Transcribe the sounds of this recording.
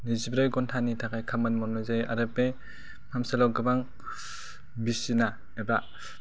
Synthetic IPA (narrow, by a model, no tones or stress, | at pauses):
nizibɾɯjɡɔntʰanitʰakʰajkʰamɯnmɔnɔzajaɾɯpe | mʰamsalɔɡɯbaŋ | bisina | eba